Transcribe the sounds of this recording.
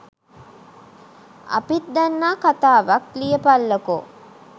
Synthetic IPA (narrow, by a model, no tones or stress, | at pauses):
ɐ̰pit̪d̪anːaːkat̪aːʋaklijəpalːəko